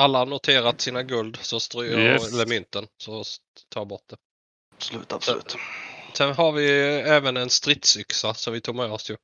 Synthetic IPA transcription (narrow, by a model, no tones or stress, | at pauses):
alːanʊt̪ʰeːɾat̪siːnaɡɵld̪sɔst̪ɾyːɛlːəmʏnt̪ənsɔ | t̪ʰɑːɾbɔʈ̚d̪̥ɛ | bsɔlʉ̰ːt̪abslʉ̰ːt̪sɛnɦaɾvɪɛːvənɛnst̪ɾɪt̪sʏksasɔmvɪt̪ʰuːɡ̚mɛːɔsjɵ